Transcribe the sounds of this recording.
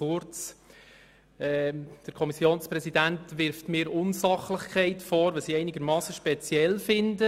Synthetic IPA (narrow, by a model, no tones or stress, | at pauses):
ʊɾt͡s | ɛd̥əɾkʰɔmisjoːnsprɛsidæntʋɪɾftmɪːɾʊnsɑχləχkʰɛɪtfɔːɾʋɛlsiɛɪnɪɡəɾmɑːsəʃpɛt͡sjɛlfɪndə